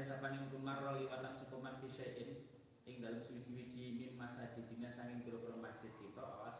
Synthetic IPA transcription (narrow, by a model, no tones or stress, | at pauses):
s̬apaniŋukumarɔliwat̪ansukumanfiʃaʔɪn | ʔɪŋd̪alamsuwid̥ʒ̥iwid̥ʒ̥imimːasad̥ʒ̥i̤d̪̥i̤ŋasaŋkɪŋkiɾokɾomḁsɪt̪̚kit̪ɔʔa̰was